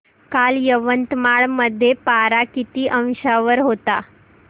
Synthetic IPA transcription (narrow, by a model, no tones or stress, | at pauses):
kaljəʋənt̪maɭməd̪ʱːjepaɾakit̪iːʔə̃w̃ɕaʋəɾɦot̪a